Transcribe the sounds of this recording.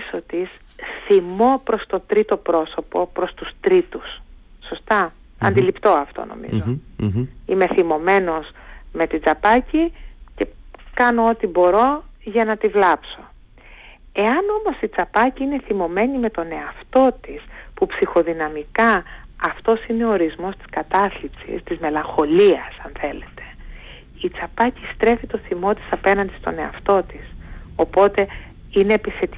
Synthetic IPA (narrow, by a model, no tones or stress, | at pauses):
sot̪is | θimo̞pɾo̞st̪o̞t̪ɾit̪o̞pɾo̞so̞po̞pɾo̞st̪ust̪ɾit̪usː | o̞st̪ɐ | ɐ̰nd̪ilipt̪o̞ɐft̪o̰no̞̰mḭzo | ime̞θimo̞me̞no̞sme̞t̪id͡zɐpɐcice̞kɐno̞ot̪ibo̞ɾo̞ʝɐnɐt̪ivlɐpso̞ | e̞ɐno̞mo̞sit͡sɐpɐciine̞θimo̞me̞nime̞t̪o̞ne̞ɐft̪o̞t̪ispupsixo̞ðinɐmikɐɐft̪o̞sine̞o̞oɾizmo̞st̪i̥skɐt̪ɐθlipsḭst̪izme̞lɐŋxo̞liɐsɐnθe̞le̞t̪e̞̥ | it͡sɐpɐcist̪ɾe̞fit̪o̞θimo̞t̪i̥sɐpe̞nɐnd̪ist̪o̞ne̞ɐ̰ft̪o̞t̪iso̞po̞t̪e̞ | ine̞ːpiθe̞t̪i